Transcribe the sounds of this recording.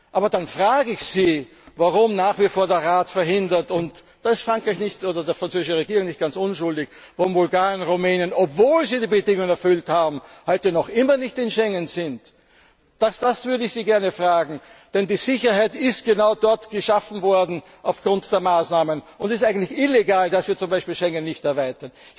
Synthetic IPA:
ʔaːbɐdanfʁaːɡəɪçz̥iː | vaʁʊmnaːχv̥ifoːɐdeːɐʁaːtfɛɐɦɪndɐtʊnt | d̥aːɪstfʁ̥aŋkʁaɪçnɪçtʔoːdɐdeːɐfʁ̥ant͡søːzɪʃəʁeɡiːʁʊŋnɪçt̚ɡ̥ant͡sʊnʃʊldɪç | vaʁʊmvʊlɡaːʁənʁumɛːnjənɔpv̥oːlziːdiːbədɪŋʊŋənɛɐfʏlthaːbm̩hɔʏtənɔχʔɪmɐnɪçtɪnʃɛŋənzɪnt | d̥asd̥asv̥ʏɐɾəɪçsiːɡɛɐnəfʁaːɡŋ̩d̥ɛndiːz̥ɪçɐhæɪtɪstɡ̥ənaʊdɔɐtɡ̥əʃafn̩vɔɐdn̩ | ʔaʊfɡ̥ʁʊntd̥eːɐmaːsnaːmənʔʊntdɪstʔaɪɡən̩tlɪçɪleɡaːldasv̥iːɐt͡sʊmbæɪʃpiːlʃɛŋənːɪçtɛɐvaɪtɐn

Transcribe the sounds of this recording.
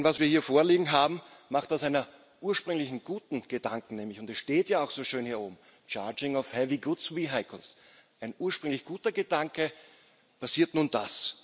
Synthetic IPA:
nvasv̥iːɐhiːɐfoːɐliːɡŋ̩ɦaːbm̩maχt̚d̥asaɪnɐ | ʔuːɐʃpʁ̥ʏŋlɪçn̩ɡ̥uːtn̩ɡ̥ədaŋkŋ̩nɛːmlɪçʊndɛsʃteːtjaːaʊxsoːʃøːnhiːɐoːbm̩ | t͡ʃaɐd͡ʒɪŋaʊfhɛviɡʊtsviːɦaɪkl̩s | ʔaɪnʔuːɐʃpʁ̥ʏŋlɪçɡ̥uːtɐɡədaŋkə | pʰasiːɐtnuːndas

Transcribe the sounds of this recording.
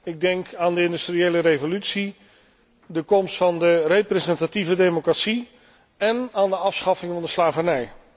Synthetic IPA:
ɪɡ̚dɛŋkaːndəɪndystriejlərejvolytsi | dəkɔmstfɑndərejprɛzɛntativədejmokratsi | ɛnaːndəɑfsχɑfɪŋvɑndəslaːvənɛj

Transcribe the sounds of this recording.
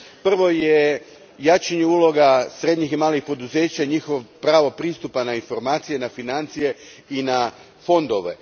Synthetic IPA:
pr̩ʋo̞je | jaːt͡ʃeɲeuːlˠo̞ɡasɾe̞d̪ɲiximaːlixpo̞d̪uze̞ːt͡ɕaiɲixoʋopɾaːʋopɾiːst̪upanainfo̞ɾmaːt̪sije̞nafinant̪sije̞ina | fo̞nd̪o̞ʋe̞̰

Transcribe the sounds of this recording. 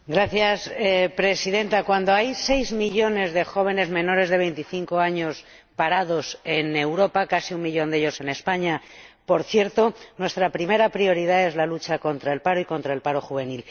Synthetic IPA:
ɡɾaθjaspɾe̞siðe̞nt̪akwand̪o̞ajse̞jzmiʎo̞ne̞zðe̞xo̞β̞e̞ne̞zmẽ̞no̞ɾe̞zðe̞β̞e̞jnt̪iθiŋko̞aɲo̞s | paɾaðo̞se̞ne̞wɾo̞pakasiummiʎo̞nd̪eʝo̞se̞ne̞spaɲapo̞ɾθje̞ɾt̪o̞nwe̞st̪ɾapɾime̞ɾapɾio̞ɾið̞ae̞zlalut͡ʃako̞nt̪ɾae̞lpaɾoiko̞nt̪ɾae̞lpaɾo̞xuβe̞nil

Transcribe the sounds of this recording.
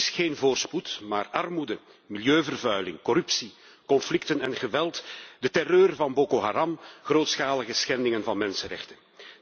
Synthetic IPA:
sxeːnvoːrsputma̰ːrɑrmudə | miljøːvərvœɥlɪŋkɔɾʏpsi | kɔnflɪktənɛnɣəʋɛltdətɛrøːrvɑnboːkoɦaːɾɑmɣroːtsxaːləɣəsxɛndɪŋənvɑnmɛnsənrɛ̰xtən

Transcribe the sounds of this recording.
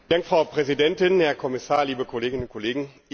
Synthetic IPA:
daŋkfʁ̥aʊpʁ̥ɛzidɛntɪnhɛɐkʰɔmɪsaːɐliːbəkʰɔleːɡɪnʊntkɔleːɡŋ̩

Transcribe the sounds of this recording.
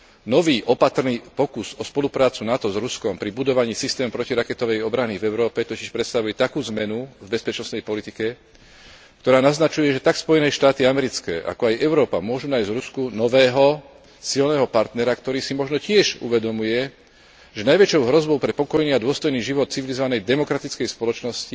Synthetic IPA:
nɔʋiːʔɔpat̪ɾniːpɔkuzɔspɔlupɾaːt͡sunat̪ɔzɾuskɔmpɾibud̪ɔʋaɲiːsist̪ɛːmpɾɔciɾakɛt̪ɔʋɛjɔbɾanivɛʊɾɔːpɛt̪ɔciʃpɾɛt̪st̪aʋujɛt̪akuːzmɛnuvbɛspɛt͡ʃnɔsnɛjpɔlit̪ikɛ | kt̪ɔɾaːnaznat͡ʃujɛʒɛt̪akspɔjɛnɛːʃt̪aːt̪iamɛɾit͡skɛ̰ːʔa̰kɔajʔɛʊɾɔːpa̰mʊɔʒunaːjzɾuskunɔʋɛːɦɔ | silnɛːɦɔpaɾt̪nɛɾakt̪ɔɾiːsimɔʒnɔcɪɛʒṵʋɛd̪ɔmujɛ | ʒɛnajʋɛt͡ʃɔʊɦɾɔzbɔʊpɾɛpɔkɔjniːad̪ʊɔst̪ɔjniːʒiʋɔt̪̚t͡siʋilizɔʋanɛjd̪ɛmɔkɾat̪it͡skɛjspɔlɔt͡ʃnɔsci

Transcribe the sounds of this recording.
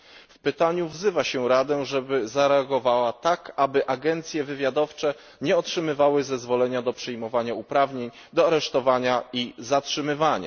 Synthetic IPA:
fpɘt̪aɲuvzɘvaɕɛɾad̪ɛʐɛbɘzaɾɛaɡɔvawat̪akabɘʔaɡɛnt̪sʲjɛvɘvʲjad̪ɔft͡ʂɛ | ɲɛɔtʂɘmɘvawɘzɛzvɔlɛɲad̪ɔpʂɛjmɔvaɲaupɾavɲeɲ | d̪ɔaɾɛʂt̪ɔvaɲaizatʂɘmɘvaɲa̰

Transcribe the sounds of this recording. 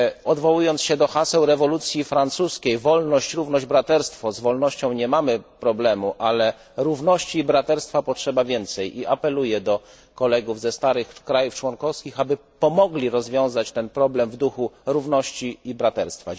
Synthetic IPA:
ɔd̪vɔwujɔntsɕɛd̪ɔxasɛwɾɛvɔlut̪sʲjifɾant̪suskʲejvɔlnɔɕt͡ɕɾuvnɔʑd͡ʑbɾat̪ɛɾst̪fɔzvɔlnɔɕt͡ɕɔ̃w̃ɲɛmamɘpɾɔblɛmuʔalɛ | ɾuvnɔɕt͡ɕiːbɾat̪ɛɾst̪fapɔtʂɛbavʲjɛnt̪sɛjʔiʔapɛlujɛd̪ɔ | kɔlɛɡuvzɛst̪aɾɘxkɾajuft͡ʂwɔnkɔfskʲixabɘpɔmɔɡlʲiɾɔzvʲjɔ̃w̃zat͡ɕt̪ɛnpɾɔblɛmvd̪uxuɾuvnɔɕt͡ɕiːbɾat̪ɛɾst̪fa

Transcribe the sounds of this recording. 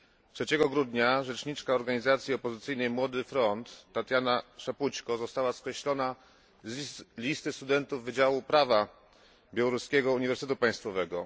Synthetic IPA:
tʂɛt͡ɕɛɡɔɡɾud̪ɲaʐɛt͡ʂɲit͡ʂkaɔɾɡaɲizat̪sʲjiɔpɔzɘt̪sɘjnɛjmwɔd̪ɘfɾɔnt̪ːat̪ʲjanaʂaput͡ɕkɔzɔst̪awaskɾɛɕlɔna | zlʲist̪ɘst̪ud̪ɛnt̪uvːɘd͡ʑawupɾava | bʲjawɔɾuskʲɛɡɔuɲivɛɾst̪ɛt̪upaj̃st̪fɔvɛɡɔ

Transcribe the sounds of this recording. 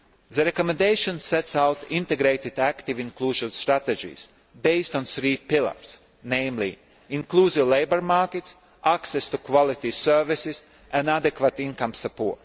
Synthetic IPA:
ðəɾɛkomɛ̃nd̪eɪʃɔ̃nsɛt̪sawt̪ĩnt̪eɡɾeɪt̪id̪ækt̪ivĩnklˠuːʒɔnst̪ɾat̪ed͡ʒḭːs | beɪst̪ɔ̃nsɾiːpilˠə̰ɾs | nẽɪmlḭ | iŋklˠuːzivlejbəɾmaɾket̪s | aksɛst̪ukvɔlˠit̪isøɾvisis | æ̃nad̪ekvat̪ĩnkamsapo̰ːt̪

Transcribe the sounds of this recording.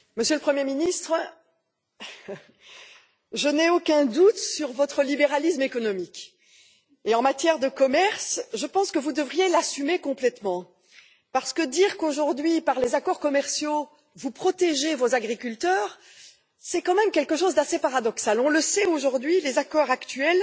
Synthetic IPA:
məsjøləpχəmjeminist̪χə | ʒənɛokʲɛ̃d̪ut̪syʁvɔt̪χəlibeʁalismekɔnɔmikʲ | eɑ̃mat̪jɛʁd̪əkɔmɛʁsʒəpɑ̃skəvud̪əvʁijelasymekɔ̃plɛt̪mɑ̃ | paʁsə̥kəd̪iʁkoʒuʁd̪ɥipaʁlezakɔʁkɔmɛʁsjo | vupχɔt̪eʒevozaɡʁikʲylt̪œːʁ | sɛkɑ̃mɛmkʲɛlkəʃozd̪asepaʁad̪ɔksalɔ̃ləsɛoʒuʁd̪ɥilezakɔʁakt̪ɥɛl

